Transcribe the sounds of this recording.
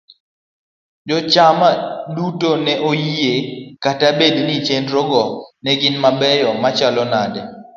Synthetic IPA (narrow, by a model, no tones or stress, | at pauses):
d͡ʒɔt͡ʃamadutonɛʔojjekatabednit͡ʃendɾɔɡɔnɛɡɪnmabɛjɔmat͡ʃalɔnadɛ